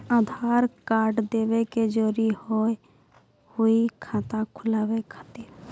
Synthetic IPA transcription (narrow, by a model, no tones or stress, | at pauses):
aːd̪ʱaːɾkaːɾɖd̪eːweked͡ʒoːɾihoe | hʊikʰãːt̪ãkʰʊlaːwekʰət̪iːɾ